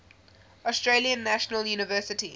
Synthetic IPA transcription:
ɔstɹeːliə̃nːæʃənəljuːnɪvɜˑsɪti

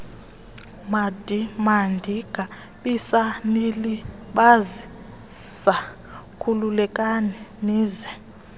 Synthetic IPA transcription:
mad̥ʱimandʱiɡ̥ʱa | ɓisaniliɓazi | sa | kʰululɛkʼanɛniːzɛ

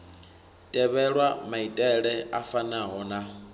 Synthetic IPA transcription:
tʼɛβɛɺwamaitʼɛɺɛafanaɦɔna

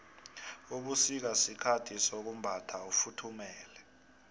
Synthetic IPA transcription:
uk̬usik̬asikʰatʰisok̬umbʱatʰaufutʰumɛːlɛ

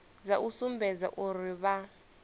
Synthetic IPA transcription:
zaʔusumbɛd͡za̰ʔuriβa

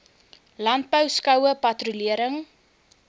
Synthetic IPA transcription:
lɐnt̚bəwskɐwəpɐtruliəɾəŋ

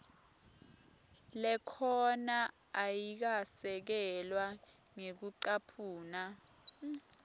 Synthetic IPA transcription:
lɛkʰɔna | ajik̬asɛk̬ɛlwa | ŋek̬uǀapʰuːna

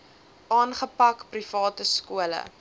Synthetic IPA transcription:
ʔɑːnχəpɐkprifɑːtəskuələ̰

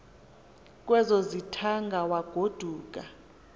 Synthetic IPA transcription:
kʼwɛzozitʰaŋɡʱawaɡ̥ʱod̥ʱuːk̬ʼa

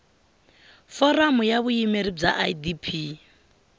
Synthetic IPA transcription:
fɔramʊjaβuimeɾib͡ʐa̰ʔadipʰi

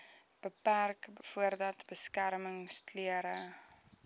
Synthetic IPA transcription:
b̥əpærkfuərdɐtbəskærməŋstlyəɾə

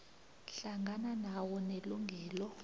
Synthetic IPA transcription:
ɬaŋɡʱananawɔneluŋɡʱɛːlɔ

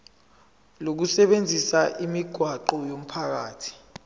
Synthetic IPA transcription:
lok̬usɛɓend͡zʱisaʔimiɡ̥ʱwaǃɔjom̩pʰak̬aːtʰi̥

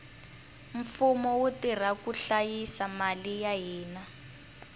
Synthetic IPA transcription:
ɱ̩fumɔwutir̤akuɬajisamalijaɦiːna

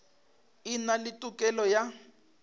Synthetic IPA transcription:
inalitʼukʼɛlɔja

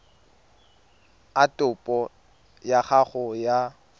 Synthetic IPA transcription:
atʼʊpʼɔ | jaχaχʊja

